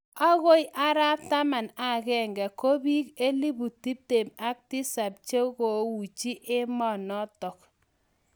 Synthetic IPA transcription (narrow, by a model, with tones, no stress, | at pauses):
a˦ɣo˦jʔa˦ɾa˦p̚ta˦ma˨na˨kɛ˦˨ŋɡɛ˨ko˦bi˦ke˦li˦bu˨ti˦p̚te˨ma˦k̚ti˦sa˨p̚t͡ʃe˦ko˨˦wu˨t͡ʃi˦ʔɪ˦mɔ˦˨nɔ˦tɔ˨k̚